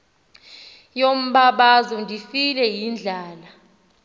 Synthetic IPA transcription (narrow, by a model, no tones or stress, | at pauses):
jom̩ɓaɓazɔndʱifilɛjind͡ɮʱaːla